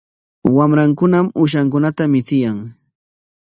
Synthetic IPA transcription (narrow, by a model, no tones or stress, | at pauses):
wamɾaŋkʊnamʊʃaŋkʊnat̪amɪt͡sɪjaŋ